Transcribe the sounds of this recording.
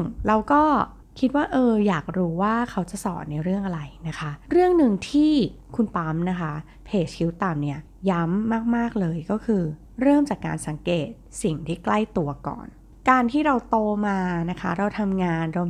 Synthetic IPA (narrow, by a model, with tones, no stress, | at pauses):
ŋɾa˧wkɔː˥˩ | kʰi˦˥t̪̚waː˥˩ʔɤː˧jaː˨˩k̚ɾuː˦˥waː˥˩kʰa˦˥wt͡ɕa˨˩sɔ̰ː˨˩˦nːa˧jɾɯ˥˩əŋʔa˧ɾa˧jna˦˥kʰa˦˥ɾɯ˥˩əŋnɯ˨˧ŋt̪ʰiː˥˩kʰu˧npa˦˥mna˦˥kʰa˦˥ | pʰeː˨˩t͡ɕ̚kʰi˦˥wt̪a˨˩mni˦˥˩ɐ | ja˦˥mːaː˥˩k̚maː˥˩k̚lɤː˧jkɔː˥˩kʰɯː˧ | ɾɤː˥˩mt͡ɕaː˨˩kːa̰ː˧nsa˨˩˦ŋkeː˨˩t̪̚si˨˩ŋt̪ʰiː˥˩kla˥˩jt̪u˧ɐkɔ̰ː˨˩n | kaː˧nt̪ʰiː˥˩ɾa˧wt̪oː˧maː˧na˦˥kʰa˦˥ɾa˧wt̪ʰa˧mŋaː˧nɾoː˧m